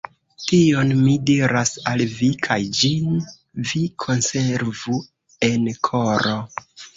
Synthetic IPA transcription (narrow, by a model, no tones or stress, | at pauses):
tionmidiɾasalvikʰajd͡ʒin | vikʰo̞nse̞ɾvu | e̞nkʰo̞ɾo